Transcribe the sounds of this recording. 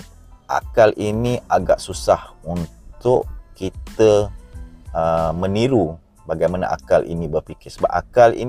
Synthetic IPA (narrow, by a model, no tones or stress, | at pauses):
ʔa̰kalinĩaɡaʔsusahunt̪ʊʔkit̪ə | əmə̃niɾu | baɡajmana̰ʔa̰kalʔḭnĩbərpikɪsəba̰ʔa̰kalḭn